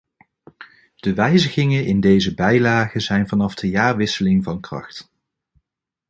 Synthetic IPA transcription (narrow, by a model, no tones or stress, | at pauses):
d̥əʋɛjzəɣɪŋənʔɪndejzəbɛjlaːχəzɛjnvɑnɑfdəjaːɹʋɪsəlɪŋvɑnkrɑ̰χt